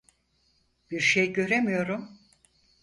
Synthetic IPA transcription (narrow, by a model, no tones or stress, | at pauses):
b̥iɾʃejɟø̞ɾemijo̞ɾum